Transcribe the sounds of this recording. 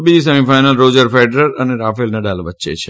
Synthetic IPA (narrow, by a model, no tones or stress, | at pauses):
bid͡ʒis̬əmĩfajnəlɾod͡ʒəɾfɛɖɾəɾəneɾafelnaɖalʋətːʃḛt͡ʃʰe